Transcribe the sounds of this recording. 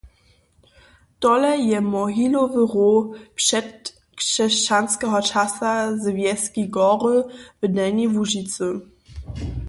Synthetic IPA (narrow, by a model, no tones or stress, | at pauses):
tɔlɛjɛmɔɦilɔvəʁopʂɛt | kʂɛʃt͡ɕanskɛɦɔt͡ʃasazvjɛskiɡɔʁəvədɛnivuʒit͡sə